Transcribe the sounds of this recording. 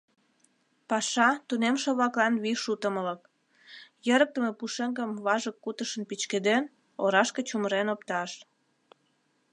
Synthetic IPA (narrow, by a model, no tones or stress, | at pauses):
pɑʃɑt̪unemʃoβlɑklɑnβiʃut̪əmələk̚ | jəɾək̚t̪əmepuʃeŋɡəmβɑʒəkːut̪əʃənpit͡ɕked̪en | oɾɑʃket͡ɕuməɾenopt̪ɑʃ